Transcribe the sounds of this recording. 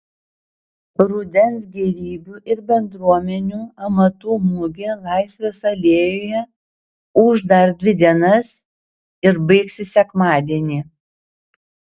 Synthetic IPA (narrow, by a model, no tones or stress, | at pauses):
ɾʊd̪ʲɛnsɡʲɛɾʲiːbʲuʔɪɾbʲɛnd̪ɾuɔmʲɛnʲuːɐmɐt̪uːmʊɡʲɪlˠɑˑɪsʲʋʲɛsɐlʲeːjoːjɛ | ʊʒd̪ɐɾd̪ʲʋʲɪd̪ʲiɛnɐs | ɪɾbɐɪksʲɪsʲɛkmɑːd̪ʲiɛnʲiː